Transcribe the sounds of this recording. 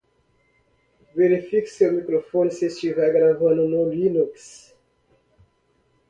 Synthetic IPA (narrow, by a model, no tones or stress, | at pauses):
veɾifikseomikɾofɔnsesyvaɡaɾãvãnumõlinuks